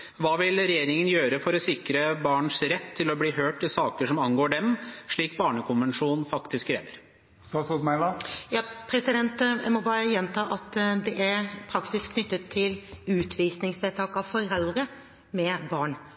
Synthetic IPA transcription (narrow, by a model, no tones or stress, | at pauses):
ʋɑːʋɪlɾɛjeːɾɪŋənjøːɾəfɔɾɔsɪkɾəbɑːɳʂɾɛt̪ʰːɪlɔbliːɦøːʈɪsɑːkəʂɔmɑnɡoːɖɛmʂɭiːk̚bɑːɳəkʊnʋənʂuːnn̩fɑkt̪ɪskʰːɾḛːʋəɾ | sɑsʊt̪mæɪlɑjɑːpʰɾɛsɪd̪ɛnt̪mɔbɑːɾəjɛnt̪ʰɑːʔɑt̪d̪ɛʔæɾpʰɾɑksɪskːʰnʏt̪ːət̪ʰːɪlʉːt̪ʰʋiːsnɪŋsʋet̪ʰɑːkɑʋfɔɾɛld̪ɾə | mɛbɑːɳ